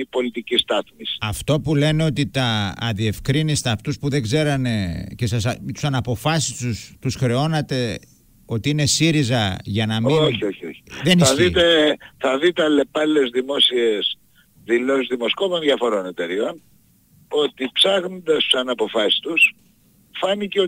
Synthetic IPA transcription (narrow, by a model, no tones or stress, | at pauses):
ipo̞lit̪icist̪ɐθmisɐft̪o̞pule̞ne̞o̞t̪it̪ɐːðie̞fkɾinist̪ɐːft̪uspuðe̞ɡze̞ɾɐne̞cesɐst̪u̥sɐnɐpo̞fɐsi̥st̪ust̪usxɾe̞o̞nɐt̪e̞ | o̞t̪iine̞siɾizɐʝɐnɐmioçio̞çioçi̥ðenissɐðit̪e̞θɐðit̪eɐle̞pɐlezðimo̞sies | ðilosizðimo̞sko̞po̞nðjɐfo̞ɾo̞ne̞t̪e̞ɾio̞n | o̞t̪ipsɐɣno̞nd̪ɐst̪u̥sɐnɐpo̞fɐsi̥st̪us | fɐniceo